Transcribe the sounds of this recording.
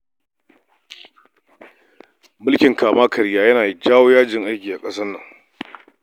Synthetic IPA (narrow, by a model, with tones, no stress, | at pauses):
mʊ˦lkʲɪ˨ŋkaː˨maː˦kʰɐ˨ɾjaː˦jɐ˦naː˨d͡ʒaː˦woː˦jaː˦d͡ʒɪ˨ŋʔa˦jkʲiː˨ʔa˨kʼɐ˦sɐ˦nːɐ˨ŋ